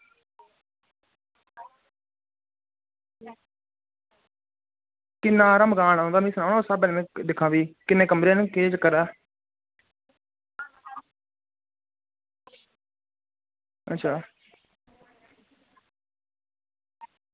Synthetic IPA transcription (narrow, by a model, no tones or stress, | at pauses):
kɪnːãːɾaːməɡaːnɦõːnd̪aːmĩːsənaːnːsaːbeːnːmẽːd̪ɪkʰãːbiːkɪnẽːkəmɾeːnẽkeːd͡ʒəkːəɾaː | ə̰tːʃʰaː